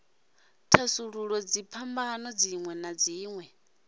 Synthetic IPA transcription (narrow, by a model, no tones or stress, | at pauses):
tʰasuɺuɺɔd͡zipʰambaːnɔd͡ziŋwɛnad͡ziːŋwɛ